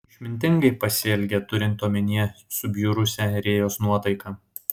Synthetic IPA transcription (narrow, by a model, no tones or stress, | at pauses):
ʃʲmʲɪnʲt̪ʲɪŋɡɐɪpɐsʲɪɛlʲɡʲɛt̪ʊɾʲɪnt̪ːoːmʲɪnʲiɛsʊbʲjʊɾʊsʲɛɾʲeːjoːsnuɔt̪ɐɪkɑː